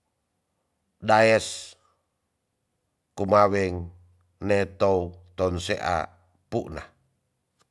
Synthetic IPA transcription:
daɛs | kumawɛŋ | net̪out̪ɔnsḛʔa̰ | puʔna̰

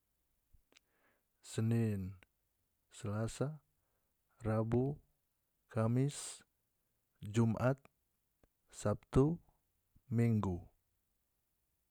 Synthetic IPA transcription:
sənin | səlasa | rabu | kamɪs | d͡ʒumʔat̪̚ | sap̚t̪u | miŋɡu

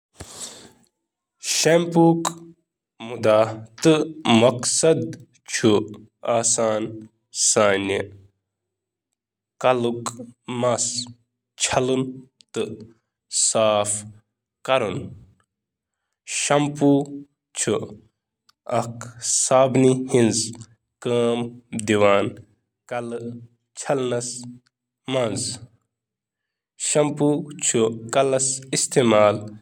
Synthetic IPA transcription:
ʃempuːk | mud̪aːt̪ɨmɐksɐd̪ | t͡ʃʰu | aːsaːn | saːni | kɐlukmɐs | t͡ʃʰɐlɨn | t̪ɨ | saːf | kɐɾun | ʃɐmpu | t͡ʃʰu | ɐksaːbnihinz | kəːmd̪iʋaːn | kɐl | t͡ʃʰɐlnɐs | mɐnz | ʃɐmput͡ʃʰukɐlɐsist̪eːmaːl

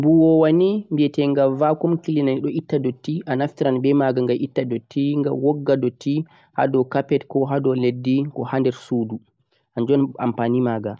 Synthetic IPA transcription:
buwɔwanimbiɛtɛŋɡavakɔmkilinaniɗɔitːadotːiʔanaftiɾanbɛmaɡaŋɡaʔitːadotːiŋɡawɔɡːadɔtʰːi | ha̰dɔkapɛtkɔɦadɔledːikɔhandɛɾsuːdu | ʔand͡ʒɔna̰mpanimaːɡa

